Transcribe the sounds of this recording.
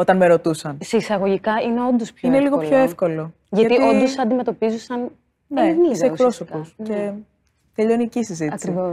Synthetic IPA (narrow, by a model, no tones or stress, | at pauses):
o̞t̪ɐnmeɾo̞t̪usɐnseisɐɣo̞ʝikɐineo̞nd̪ospineliɣopçoefko̞lo̞ | ʝɐt̪ito̞ndd̪osɐnd̪ime̞t̪o̞pizusɐn | eneniseekpɾo̞sokose | t̪eʎonicisizit̪ɐikɾivos